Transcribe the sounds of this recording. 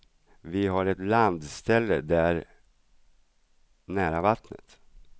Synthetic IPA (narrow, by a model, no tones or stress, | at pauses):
vɪɦaɾɛt̪land̪st̪ʰɛlːə̰d̪æɾ | næːɾavat̪nə̰t̪